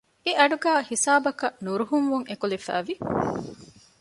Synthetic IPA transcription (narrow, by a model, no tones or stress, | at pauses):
eʔɐɖuɡæːhisaːbɐkɐʔnuɾuɦuŋʋuŋekulifæ̰ːʋi